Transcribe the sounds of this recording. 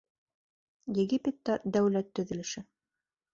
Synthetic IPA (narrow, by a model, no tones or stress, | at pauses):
jɘ̆ɡipʲet̪ːɑd̪æwlæt̪ːɵ̆ðɵ̆lɘ̆ʃɘ